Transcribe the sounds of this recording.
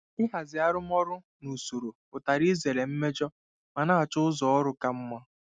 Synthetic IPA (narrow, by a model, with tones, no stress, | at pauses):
ɪ˦ɦa˨zɪ˨a˦ɾʊ˦m˦ɔ˦ɾʊ˦ | nu˨so˨ɾo˨pʊ˨ta˨ɾi˦ze˨le˨m̩˦me˦d͡ʒɔ˦ | ma˨na˦a˨t͡ʃʊ˦ʊ˦zɔ˨ɔ˦ɾʊ˦ka˦m̩˦ma˦